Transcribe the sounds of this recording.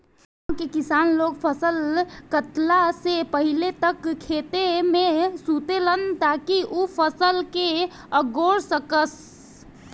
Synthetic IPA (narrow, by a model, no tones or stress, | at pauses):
kekisaːnloɡpʰəsəlkət̪lasepəɦilet̪əkkʰet̪emesut̪elənt̪akiʔupʰəsəlke | əɡoɾsəkəs